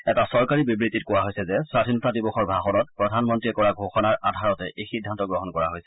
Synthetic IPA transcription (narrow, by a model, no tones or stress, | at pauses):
ɛtasɔɹkaɹibibɹititkowaɦojsɛzɛsatʰinɔtadibɔxɔɹbʱaxɔnɔt̚pɹɔdʱanmɔntɹiɛkɔɹaɡʱoxɔnaɹadʱaɹɔtɛʔejxidʱːantɔɡɹɔɦɔnkɔɹaɦojsɛ̥